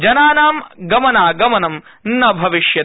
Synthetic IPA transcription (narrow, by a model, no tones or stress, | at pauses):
d͡ʒɐnaːnaːmɡɐmɐnaːɡɐmɐnɐmnnɐbʱɐʋiʃjɐ